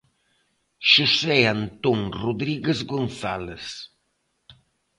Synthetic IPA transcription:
ʃoseant̪oŋruðɾiɣezɣonθales

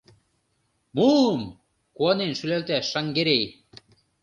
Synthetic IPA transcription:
mum | kuɑnenʃylælt̪æʃːɑŋɡeɾej

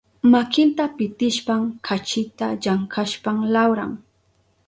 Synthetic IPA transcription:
makɪnt̪apɪt̪ɪʃpamkʰat͡ʃɪt̪aʎaŋkaʃpamlawɾa̰ŋ

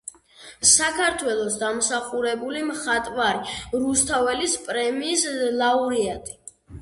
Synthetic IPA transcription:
sakʰaɾt̪ʰwɛlˠɔsd̪amsaχuɾɛbulimχat̪ʼvaɾiɾust̪ʰavɛlispʼɾɛmiːslˠauɾiat̪ʼi̥

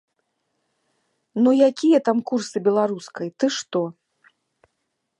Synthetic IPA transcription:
nujakʲijɐt̪amkursɨbʲɛlˠaɾuskɐjt̪ɨʂt̪ɔ

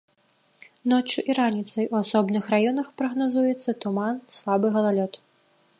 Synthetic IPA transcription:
nɔt͡ʂuʔiɾanʲit̪sɐjuasɔbnɨxrajɔnɐxpɾɐɣnazujɛt̪sːɐt̪umanslˠabɨɣɐlˠalʲɔt̪

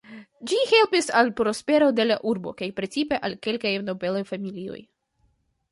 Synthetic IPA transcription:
d͡ʒihe̞lpisalpɾo̞spe̞ɾo̞de̞laʔuɾbo̞̰kajpɾe̞t͡sipe̞ʔalke̞lkajno̞ve̞lojfamilio̞̰j

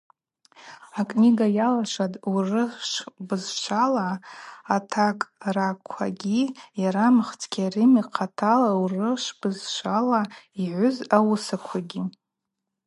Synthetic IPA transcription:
akʼniɡajalaʂʷadʼurɨʃbɨzʃʷʰalaː | tʰakʼrakʷʰa̰ɡʲijaɾamɨχt͡sʰʼkʲʰʼarimiqʰatʰalaurɨʂʷbɨzʃʷalaiʕʷʊzawʊsakʷʰaɡʲi

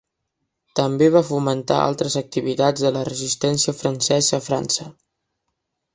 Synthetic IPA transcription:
t̪əmbeβafumənt̪a̰ʔa̰lˠt̪ɾəzək̚t̪iβit̪ad͡zðələrəzist̪ɛnsiəfɾənsɛzəːfɾa̰nsə

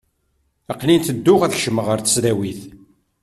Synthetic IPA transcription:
ɑqlint̪əd̪ːʊʁæθçʃəməʁəɾθə̥sðæwiθ

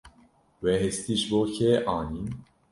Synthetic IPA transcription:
wɛɦɛst̪iʒboːçʰeːʔɑːnin

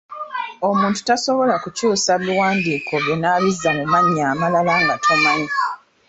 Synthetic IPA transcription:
o̞muːntu̥taso̞βo̞lakucuːsaβiwaːndiːkʰo̞βjenaβizːamumaɲiaːmalalaŋɡatʰo̞maɲi

